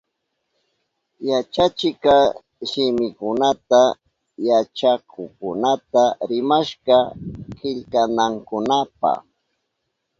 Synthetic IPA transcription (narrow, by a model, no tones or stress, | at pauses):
jat͡ʃat͡ʃɪkɑ | ʃɪmɪkʊnat̪a | jat͡ʃakʊkʊnat̪aɾɪmaʃɢɑkɪʎkanaŋkʊnapa̰χ